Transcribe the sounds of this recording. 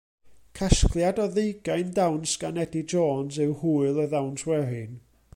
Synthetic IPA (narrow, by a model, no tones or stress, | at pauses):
kʰaskʰlˠjadɔðejɡajndawnskanɛdid͡ʒɔːnzɨwhuːɨlˠəðawntʰwɛɦɨn